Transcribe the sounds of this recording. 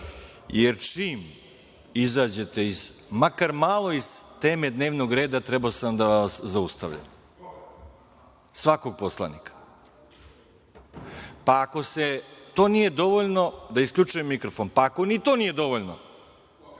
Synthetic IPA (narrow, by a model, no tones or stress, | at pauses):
jeɾt͡ʃiːm | izaːd͡ʑe̞t̪e̞izmakaɾmaːlˠo̞iz̥t̪eːme̞d̪ne̞ːʋno̞ɡɾe̞ːd̪at̪ɾebaosamd̪aʋaʋaszaust̪a̰ʋʎa̰m | sʋako̞ɡ̚po̞slˠa̰nḭkḁ | paːko̞se̞t̪o̞ːnije̞d̪o̞ʋoʎno̞d̪aiskʎʲut͡ʃujemːikɾo̞fonpaːko̞nit̪o̞nijed̪o̞ʋo̞ʎno̞̰